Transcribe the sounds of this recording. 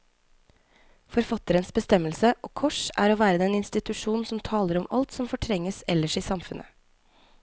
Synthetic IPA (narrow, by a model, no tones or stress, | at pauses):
fɔɾfɑt̪əɾənsbəst̪ɛməlsəʔoːkʰɔʂæ̰ːɾoːʋæːɾəd̪ɛnɪnst̪ɪt̪ʉʂuːn̩sɔmt̪ʰɑːləɾɔmɑ̰lt̪sɔmfɔʈʰɾɛŋəsɛləʂiːsɑmfʉnə̰